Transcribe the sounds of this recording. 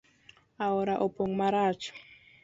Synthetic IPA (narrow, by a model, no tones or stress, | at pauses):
aɔɾaʔɔpoŋmaɾaːt͡ʃʰɔ̥